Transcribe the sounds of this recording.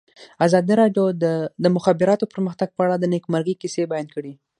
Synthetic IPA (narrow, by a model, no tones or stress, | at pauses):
azɑd̪iɾɑɖjod̪əd̪əmʊxabɪɾɑt̪opəɾməxt̪aɡ̚pəaɽad̪ənekmaɾɡikisebajand̪̚kəɽi